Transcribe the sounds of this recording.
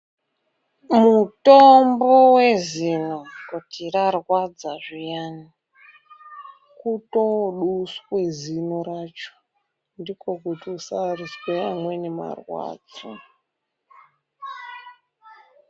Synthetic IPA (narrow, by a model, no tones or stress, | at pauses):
mutombowe̞zinokutirarwad͡zaʐijaːni | kutoɗuskwezinoɾat͡ʃo̥ | ndiko̞kutiusarisweamwenema̰rwa̰ːd͡zo